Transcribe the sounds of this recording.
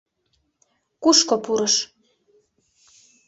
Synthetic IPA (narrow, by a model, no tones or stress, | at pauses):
kuʃkopuɾɤ̆ʃ